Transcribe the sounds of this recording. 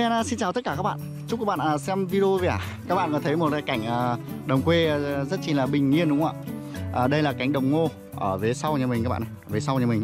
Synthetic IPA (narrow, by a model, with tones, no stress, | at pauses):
aː˧naː˧˩si˧nt͡ɕaː˨˩t̪ə˦˥t̚kaː˧˩kaː˦˥k̚ɓa̰ː˧˨n | t͡ɕʊ˦˥k͡pkːa˦˥ɓ̰ːnʔəː˨˩sɛ˧mvi˧zo˧ve˨˧˩a˨˩ | kaː˦˥k̚ɓa̰ː˧˨kːt̪ʰə˨˦jmo˨˩t̚ka˧˩jka˧˩jŋ̟ʔəː˨˩ɗə˨˩wŋ͡mkwe˧˨zə˦˥t̚t͡ɕi˧˩nlaː˨˩ɓï˨˩ŋ̟ŋi˧ənɗʊ˨˦ŋ͡mʔa̰ː˧˨ | ʔəː˨˩ɗə˧jlaː˨˩ka˧˩jŋ̟ɗə˨˩wŋ͡mŋo˧ | ʔəː˧˩ve˨˦sa˧wɲa˧˩mi˨˩ŋkaː˦˥ɓ̰ːa˨˩ə˧˩veː˨˦sa˧wɲə˧˩mi˨˩ŋ